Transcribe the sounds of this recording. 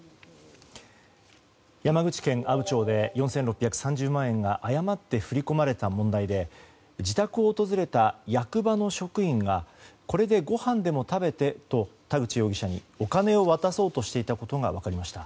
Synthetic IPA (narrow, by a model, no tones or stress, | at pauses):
jamaɡɯ̟t͡ɕi̥kẽ̞ŋʔabɯ̟t͡ɕo̞ːd̪e̞jõ̞ɰ̃sẽ̞nɾo̞pʲːjakɯ̟̥sãɲ̟d͡ʑɨːmãɰ̃ẽ̞ŋɡaʔajamat̪ːe̞ɸɯ̟ɾʲiko̞maɾe̞t̪amõ̞nd̪aid̪e̞ | d͡ʑit̪akɯ̟o̞ːt̪o̞zɨɾe̞t̪ajakɯ̟bano̞ɕo̞kɯ̟ĩŋɡako̞ɾe̞d̪e̞ɡo̞hãnd̪e̞mo̞t̪abe̞t̪e̞t̪o̞t̪aɡɯ̟t͡ɕijo̞ːɡʲiɕaɲ̟ḭ | o̞kane̞o̞βat̪aso̞ːt̪o̞ɕi̥t̪e̞it̪ako̞t̪o̞ɡa̰βakaɾʲimaɕi̥t̪a